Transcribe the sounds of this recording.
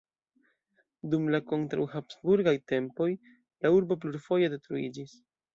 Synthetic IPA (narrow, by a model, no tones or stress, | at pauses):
dumlako̞ntɾa̰whapsbuɾɡajte̞mpo̞j | lauɾbopluɾfo̞je̞de̞tɾuḭd͡ʒis